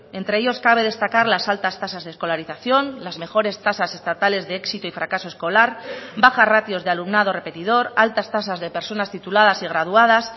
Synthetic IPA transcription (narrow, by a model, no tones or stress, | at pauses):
e̞nt̪ɾe̞eʝo̞skaβ̞e̞ðe̞st̪akaɾlasalt̪ast̪asazðesko̞laɾiθaθjo̞nlazme̞xo̞ɾe̞st̪asase̞st̪at̪ale̞zðe̞eksit̪oifɾakaso̞e̞sko̞laɾbaxarat̪jo̞zðealumnaðo̞re̞pe̞t̪ið̞o̞ɾalt̪ast̪as̬azðe̞pe̞ɾso̞nast̪it̪ulað̞asiɣ̞ɾað̞uað̞as